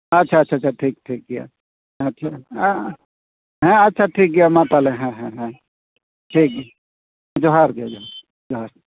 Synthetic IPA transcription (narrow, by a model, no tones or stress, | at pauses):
ɐtːʃʰaɐtːʃʰat͡ʃʰaʈʰiːk̚ʈʰiːk̚ɡija̰ | ɦɐtt͡ʃʰa | ɦɛ̃ɐtːʃʰaʈʰiːk̚ɡijamãt̪aleɦɛ̃ɦɛ̃ɦɛ̃ | ʈʰiːk̚ | d͡ʒoɦaɾɡiad͡ʒoɦaɾ | d͡ʒoɦaɾ